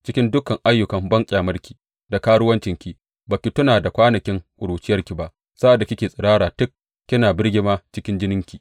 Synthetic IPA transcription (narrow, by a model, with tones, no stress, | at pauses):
t͡ʃɪ˦kʲɪ˦ndʊ˦kɐ˨ŋʔa˦jːʊ˨kɐ˨mbɐ˦ŋkʲʼaː˨mɐ˦rkʲi̥ː˨ | da˨kaː˦ɽʊ˦wɐ˦nt͡ʃɪ˨ŋkʲi˨ | baː˨kʲi˨tʊ˦naː˨da˨kʷaː˦nɐ˨kʲɪ˦ŋʔʷʼʊ˨ɽuː˨t͡ʃɪ˦jɐ˦rkʲi˨ba˨ʔ | sa˦ʔa˨dːa˨kʲɪ˦kʲeː˨sʼɪ˨ɽaː˦ɽaː˨tʊ˦k̚ːʲ | ɪ˦naː˨bɪ˦rɡʲɪ˦maː˦t͡ʃɪ˦kʲɪ˦nd͡ʒɪ˦nɪ˦ŋkʲiː˨